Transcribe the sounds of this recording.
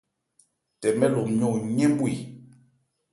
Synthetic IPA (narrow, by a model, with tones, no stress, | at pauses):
tɛ˨mɛ˦lo˨mɲo˦˨ɲɛ̃˦m˦bwi˨